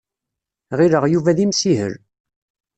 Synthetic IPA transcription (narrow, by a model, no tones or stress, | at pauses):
ʁiɾəʁjuvæðimsiɦə̰ɾ